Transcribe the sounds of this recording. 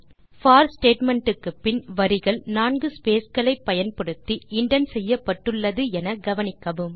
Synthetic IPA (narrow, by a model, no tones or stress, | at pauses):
faːɾsʈeːʈmɛɳʈɯkːɯpːɪnʋɐɾɪɣɐɭnaːnɡɯspeːsɡɐɭɐɪpːɐjɐnpɐɽɯt̪ːiɪɳɖɐnsɛjːɐpːɐʈːɯɭːɐðɯɛnɐɡɐʋɐnɪkːɐʋɯm